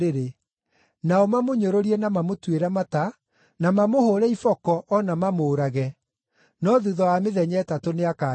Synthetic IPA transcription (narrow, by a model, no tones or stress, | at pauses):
eɾe | naɔmamoɲoɾoɾiɛnamamotweɾamata | namamohoɾɛifɔkɔʔɔnamamoːɾaɣɛ | nɔðuðɔameðɛɲɛtatoneaka